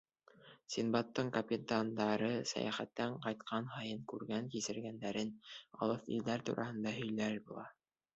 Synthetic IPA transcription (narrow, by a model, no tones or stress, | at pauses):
sʲinbɑt̪ːɤɴkɐpʲit̪and̪ɑɾɤsæ̰jæ̰χæ̰t̪ːæɴqɑjt̪qʰɑnɦɑjɤɴkʉɾɡæŋkisɘ̆ɾɡænd̪æɾɘnɑ̰lˠɤθḭld̪æɾt̪ṵɾʔɑ̰hɤ̆nd̪ɑɦɵ̆jlæɾbulˠɑ